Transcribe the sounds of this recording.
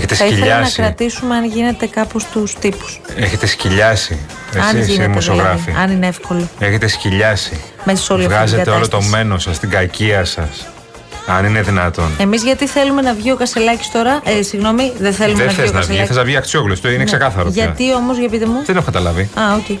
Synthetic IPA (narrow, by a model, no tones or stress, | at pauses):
eçet̪esθɐiiʎelɐenɐskɾɐt̪isumeɐnʝine̞t̪e̞kɐpost̪ust̪ipu̥seçe̞t̪e̞sciʎɐsḭ | eɐnimosioɣɾɐffḭɐnineefko̞loeçe̞t̪e̞sciʎɐsimesɐ̥solioɣɐzeɐt̪eolot̪o̞me̞nosɐst̪iɡɐciɐsɐs | ɐnine̞ðinɐt̪o̞ne̞mizʝɐt̪iθe̞lume̞nɐvʝio̞kɐselɐci̥st̪o̞ɾɐʔesiɣno̞miðeθelumðeθeoznɐɐviθeznɐvʝiɐksioklost̪oineksse̞kɐθɐɾoʝɐɐt̪io̞mozʝɐpit̪emuðenexokɐt̪ɐlɐviɐote